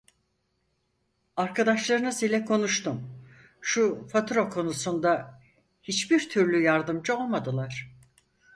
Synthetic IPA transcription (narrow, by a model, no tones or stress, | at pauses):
aɾkʰad̪aʃlˠaɾɯnɯsilʲɛkʰo̞nuʃt̪um | ʃufat̪ʰɾokʰo̞nusund̪a | hit͡ʃbiɾt̪ʰyɾlʲyjaɾd̪ɯmd͡ʒɯo̞lˠmad̪ɯlˠaɾ̥